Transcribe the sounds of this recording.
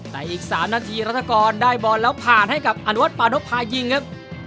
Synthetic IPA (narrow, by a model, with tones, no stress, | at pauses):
t̪ɛː˨˩ʔiː˨˩k̚saː˩˦mnaː˧t̪ʰiː˧ɾa˦˥t̪ʰːa˧kɔː˧ndaː˥˩jbɔː˧˩nlɛː˦˥wpʰaː˨˩nha˥˩jka˨˩p̚ʔa˧nu˦˥wa˦˥t̪̚paː˧no˦˥p̚pʰːaː˧ji˧ŋkʰa˦˥p̚